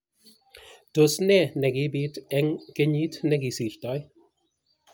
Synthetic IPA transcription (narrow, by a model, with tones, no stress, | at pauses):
to˨snɛ˨nɛ˨ɡi˦biː˦tɛŋke˦ɲiː˦tnɛɡi˨si˨ɬtɔ˨j